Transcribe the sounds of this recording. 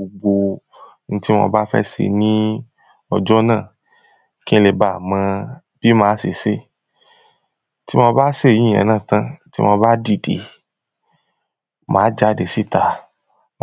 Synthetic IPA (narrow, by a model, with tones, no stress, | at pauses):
o˧ɡ͡bo˧ | n̩˦ti˦mɔ̰̃˧ba˦fɛ̰˦sḛ˧˨nĩ˦ | ɔ˧d͡ʒɔ˦nãː˦˨ | kĩ˦le˧˨ba˨mã˧ | b̥i˦mãː˨˦se˨se˦ | ti˦mɔ̃˧ba˦se˦˨jĩ˦˨ɛ̰̃˨˦nã˦˨tã˦ti˦mɔ̃˧ba˦di˦˨dḛ˨ | mãː˨˦d͡ʒa˦˨de˨si˦˨ta˨